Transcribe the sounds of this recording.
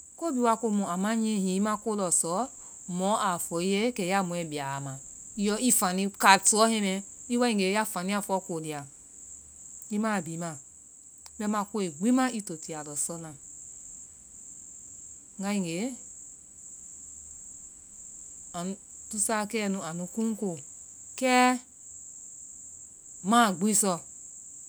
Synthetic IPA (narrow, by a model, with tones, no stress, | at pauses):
ko˦bi˦wa˧ko˧mũ˨a˨ma˦ɲ˦ẽ˦hĩ˨˦i˦mã˦ko˦lɔ˨sɔ˨˦ | mɔ̃˨˦ʔa˨fɔ˨˦i˦je˦kɛ˨˦a˦mũ˨ɛ˨bi˨a˨mã˨i˦jɔ˦i˦fa˨nĩ˦ka˨tu˨ɔ˨˦hẽ˦mɛ˦i˦wa˦ĩ˦˨ŋɡe˨˦ja˦fa˨nĩ˦a˦˨fɔ˨˦ko˨di˨a˨ | i˦ma˦˨bi˨˦mã˨˦ | bɛ˦mã˧ko˦e˨ɡ͡bi˦ma˦i˦to˨ti˨a˨lɔ˨sɔ˦lã˨ | ŋa˦ĩ˨ŋɡe˨˦ | a˨nu˨tu˦sa˦kɛ˦˨nũ˨a˨nu˨ku˦ko˦˨kɛ˦ | ma˦˨ɡ͡bi˦sɔ˦